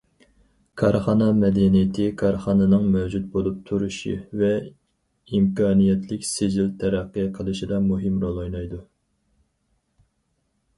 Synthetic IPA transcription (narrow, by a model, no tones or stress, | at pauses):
kʰɑɾχɑnɑmɛd̪ɛnijɪt̪ʰɪkʰɑɾχɑnɨnɨŋmæwd͡ʒut̪̚bolˠup̚t̪ʰuɾuʃḭvɛ | imkʰɑːnijɛt̪ʰlɪkʲsed͡ʒilt̪ʰɛɾæqːɨqʰəlˠɨʃid̪ɑmuɦɪmɾolˠojnɑjd̪u